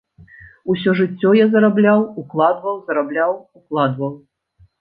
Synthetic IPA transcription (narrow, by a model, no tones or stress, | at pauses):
usʲɔʐɨt͡sʲːɔjazɐɾablʲawuklˠad̪vɐwzɐɾablʲawuklˠad̪vɐw